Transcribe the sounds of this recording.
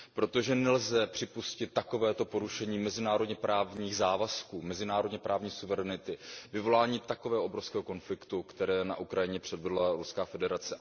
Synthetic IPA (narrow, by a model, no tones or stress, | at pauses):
pɾo̞t̪oʒɛnɛlzɛpr̝̥ɪpuscɪt̪ːako̞vɛːt̪opoɾuʃɛɲiːmɛzɪnaːɾo̞dɲɛpɾaːvɲiːɣzaːvaskuːmɛzɪnaːɾo̞dɲɛpɾaːvɲiːsuvɛɾɛnɪt̪ɪvɪvo̞laːɲiːt̪akovɛːɦoobɾofskɛːɦoko̞nflɪkt̪ukt̪ɛɾɛːna̰ʔukɾajɪɲɛpr̝̥ɛdvɛdlaɾuskaːfɛdɛɾat͡sɛ